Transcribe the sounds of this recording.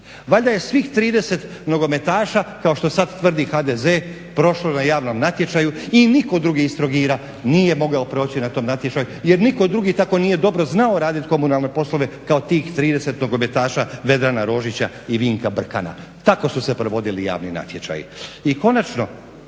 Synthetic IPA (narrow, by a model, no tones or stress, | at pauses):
ʋaʎd̪aje̞sʋiːxt̪ɾiːd̪e̞se̞t̪ | no̞ɡo̞me̞t̪aːʃakao̞ʃt̪o̞sad̪t̪ʋr̩d̪ixad̪eze | pɾo̞ʃlonajaːʋno̞mnat̪je̞t͡ʃajuiniko̞d̪ɾuɡiːst̪ɾo̞ɡiːɾa | niːje̞mo̞ɡaopɾo̞ːt͡ɕinat̪o̞ːmnat̪je̞t͡ʃajuje̞ɾniko̞d̪ɾuɡit̪ako̞nije̞d̪o̞bɾo̞znao̞ɾaːd̪it̪ko̞munalˠne̞po̞slˠo̞ʋe̞kaot̪iːxt̪ɾiːd̪e̞se̞t̪no̞ɡo̞me̞t̪aːʃaʋe̞d̪ɾanaɾo̞ːʒit͡ɕa | iʋiːŋkabr̩ka̰na̰ | t̪ako̞suse̞pɾoʋo̞d̪ilija̰ːʋnina̰t̪je̞t͡ʃa̰jḭiko̞nat͡ʃno̞